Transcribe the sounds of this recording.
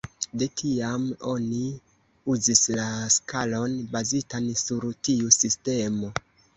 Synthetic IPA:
de̞tʰiamo̞ni | uzislaskalo̞nbazitansuɾtiusiste̞mo̞

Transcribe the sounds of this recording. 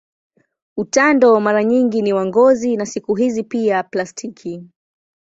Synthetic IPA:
utandɔmaɾaɲiŋɡiniwaŋɡɔzinasikuɦizipiaplastʰikʰi

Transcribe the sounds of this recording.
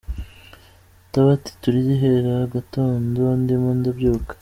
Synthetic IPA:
taβati̥tuɾijiɦeɾaɡatoːndondimandabjokḁ

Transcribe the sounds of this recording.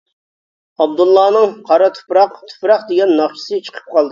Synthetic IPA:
ɑbd̪ulˠːɑːnɨŋqʰɑɾɑt̪ʰu̥pɾɑqt̪ʰu̥pɾɑqd̪ɪɡʲɛnːɑχt͡ʃʰi̥sɨt͡ʃʰə̥qʰə̥p̚qʰɑlˠd̪ɨ

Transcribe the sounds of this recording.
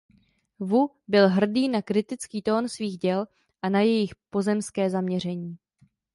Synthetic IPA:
vu | bɪlɦr̩diːnakɾɪt̪ɪt͡skiːt̪o̞ːnsviːɣɟɛl | ʔanajɛjɪxpo̞zɛmskɛːzamɲɛr̝ɛɲiː

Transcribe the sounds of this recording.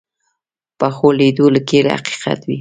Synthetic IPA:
paxoled̪oləkeɾḛha̰qi̥qa̰t̪wi

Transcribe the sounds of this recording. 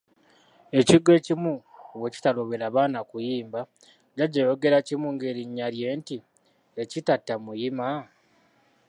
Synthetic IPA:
e̞ciɡwe̞ːcimuoweci̥talo̞βeɾaːβaːnakujiːmba | ɟaɟajoɡe̞ɾacimuŋɡe̞ɾiɲːalje̞ːnti | ecitatːamujima

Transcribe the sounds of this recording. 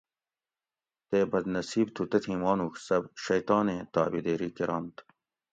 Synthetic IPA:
t̪eːbɐd̪nɐsiːbt̪ʰut̪ɐt̪ʰhiːmɑːnuːksɐbʃɐjt̪ɑːnẽːt̪ɑ̰ːbid̪eːɾiːkeɾɑːnt̪

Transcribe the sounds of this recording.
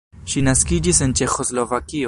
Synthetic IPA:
ʃinaskid͡ʒisent͡ʃe̞xo̞slo̞vakio

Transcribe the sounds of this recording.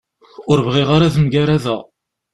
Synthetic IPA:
ʊɾvʁiʁaɾaðəmɡaɾaðæ

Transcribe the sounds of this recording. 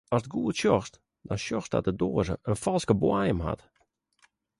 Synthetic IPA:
ɔsdɡuətʃjɔxst | dɔnʃjɔxsdɔ̰t̚dədoːəzə̰ʔənfɔlˠskəbwajəmɦa̰t

